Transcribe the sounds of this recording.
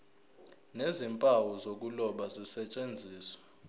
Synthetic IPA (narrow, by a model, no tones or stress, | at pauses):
nezimpʼawɔzok̬ʼulɔɓazisɛt͡ʃʼend͡zʱiːswḁ